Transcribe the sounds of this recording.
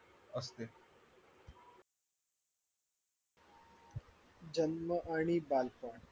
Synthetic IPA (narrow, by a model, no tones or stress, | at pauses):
ɐst̪eː | d͡ʒɐnməʔaːɳ̃iːbaːlpaːɳ